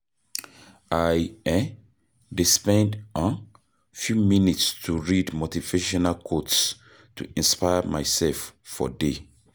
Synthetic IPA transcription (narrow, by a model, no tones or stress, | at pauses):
ajɛ | dispɛ̃ndɔ̃n | fjuminitstʰuɹidmɔltiveʃɔnalkʰots | tʰṵʔĩnspajəmaɪsɛlffɔ̰de